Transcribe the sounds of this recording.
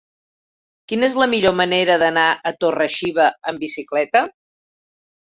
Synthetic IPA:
kinezləmiʎoməneɾəðənaʔət̪orəʃiβəəmbisiklɛt̪ə

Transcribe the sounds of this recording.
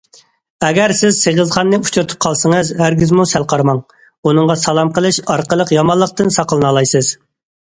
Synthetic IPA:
ɛɡʲɛɾsɪzseʁəzχɑnːɨut͡ʃʰuɾɨt̪ʰu̥p̚qʰɑlˠsəŋəzhæɾɡʲizmusɛlˠqʰɑɾmɑŋ | unɨŋʁɑsɑlˠɑmqəlˠɨʃɑɾqəlˠəqjɑmɑlˠːəq̚t̪ɨnsɑqʰəlˠɨnɑlˠɑjsɨz̥

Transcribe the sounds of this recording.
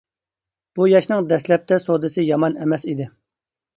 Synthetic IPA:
b̥ujɑʃnɨŋd̪ɛslɛp̚t̪ʰɛsod̪ɨsɪjɑmɑnɛmɛsid̪ɪ

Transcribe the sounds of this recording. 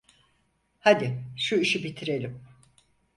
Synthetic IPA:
had̪ɪʃuiʃibit̪ʰiɾe̞lʲim

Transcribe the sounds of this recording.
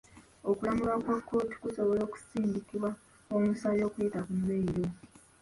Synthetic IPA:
okulamuβakwakːo̞ːti̥kuso̞βo̞lo̞ːku̥siːndikiβwa | omusaljo̞ːkule̞ːtakumːeiɾo

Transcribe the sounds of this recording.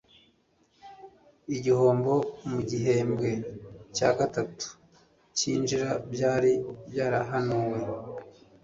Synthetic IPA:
iɟiho̞ːmbo̞muɟiɦembɡe̞caːɡatatu̥ | ciːnd͡ʒiɾabjaːɾibjaːɾaɦanuwe̞

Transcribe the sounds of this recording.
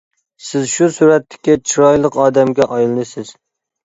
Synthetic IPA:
sɪzʃusuɾɛt̪ːɪ̥kʲːɛt͡ʃʰiɾɑjlˠəqɑːd̪ɛmɡʲɛʔɑjlˠɨnɨsɪz̥

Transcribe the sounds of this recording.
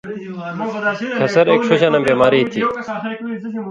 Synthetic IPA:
kʰɐsəɾeːkʃoɕaːnɐmbeːmaːɾit̪ʰiː

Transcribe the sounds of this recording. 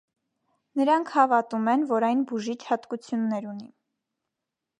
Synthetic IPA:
nəɾɑŋkʰhɑvɑt̪umɛnvɔɾɑjnbuʒit͡ʃʰhɑt̪kut͡sʰjunːɛɾuni

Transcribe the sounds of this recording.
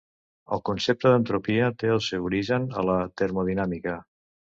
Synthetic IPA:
ə̰lˠkunsep̚t̪əðənt̪ɾupiət̪eəlˠsewuɾiʒənə̰lət̪əɾmuð̞inamikə

